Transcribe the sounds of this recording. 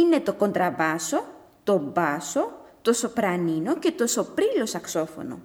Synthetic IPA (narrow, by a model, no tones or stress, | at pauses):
ine̞t̪oko̞nd̪ɾɐvɐso̞ | t̪o̞bɐso̞t̪o̞so̞pɾɐninoce̞t̪o̞so̞pɾilosɐkso̞fo̰no̞̰